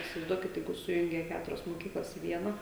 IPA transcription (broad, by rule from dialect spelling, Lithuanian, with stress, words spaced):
ɪsʲɪʋɐɪzˈduɔkʲɪt ˈjɛɪɡʊ ˈsʊjʊŋʲɡʲɛ ˈkʲæːtʊrʲɛs moːˈkʲiːklˠɐs ɪ ˈʋʲiɛnɐ